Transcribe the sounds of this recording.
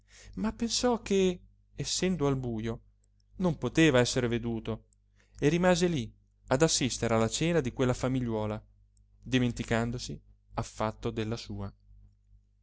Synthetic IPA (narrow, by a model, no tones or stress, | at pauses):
mapːensɔk̟ːeː | sːɛnd̪oalbuːjo | nompot̪eːvaɛsːeɾeved̪uːt̪o | erːimaːzeli | ad̪asːist̪eɾealːat͡ʃɛːnad̪ikwelːafamiʎːwɔːla | d̪iment̪ikand̪osi | afːat̪ːod̪elːasuːa